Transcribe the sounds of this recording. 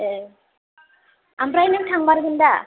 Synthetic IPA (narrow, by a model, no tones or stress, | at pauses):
ambɾajnɯŋtʰaŋbaɾɯɡɯnd̪a